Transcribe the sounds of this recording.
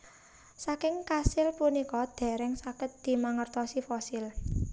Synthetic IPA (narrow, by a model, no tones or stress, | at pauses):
sakɪŋkasɪlpunikɔd̪̥ɛ̤ɾɛŋsakɪt̪̚d̪̥i̤maŋərt̪ɔsifɔsil